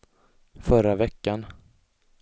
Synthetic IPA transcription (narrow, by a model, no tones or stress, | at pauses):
fœɾavɛkːan